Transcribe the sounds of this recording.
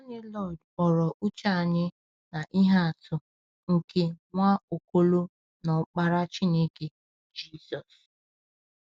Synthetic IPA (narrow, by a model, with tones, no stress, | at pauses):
o˦ɲɪ˦lɔ˦˨d | ɔ˨ɾɔ˨ʔu˦t͡ʃa˦a˨ɲɪ˦ | na˨ʔi˦ɦa˦a˨tʰʊ˦ | ŋ̩˨ke˦ŋʷa˦o˨ko˦lo˦ | nɔ˨k͡pa˦ɾa˦t͡ʃi˦ne˦ke˦ | d͡ʒi˦˨sɔ˨s